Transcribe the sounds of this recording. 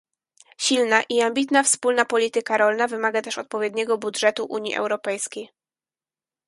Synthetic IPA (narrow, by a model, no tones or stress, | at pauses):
ɕilnaʔiambʲit̪nafspulnapɔlʲit̪ɘkaɾɔlnavɘmaɡat̪ɛʂɔt̪̚pɔvʲjɛd̪ɲɛɡɔbudʐɛt̪uʔuɲjḭʔɛ̰wɾɔpɛjskʲej